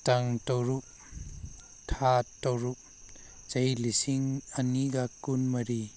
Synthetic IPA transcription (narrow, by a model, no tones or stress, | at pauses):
taŋtɔɾuʔ̚ | tʰatːɔwɾuʔ̚ | t͡ʃɐjlisiŋɐniɡakːunmɐɾi